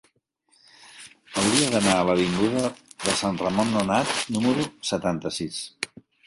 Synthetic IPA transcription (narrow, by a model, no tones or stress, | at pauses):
əwɾiəðənaələβ̞iŋɡuðəðəsanrəmonːunat̪numəɾusət̪ant̪əsis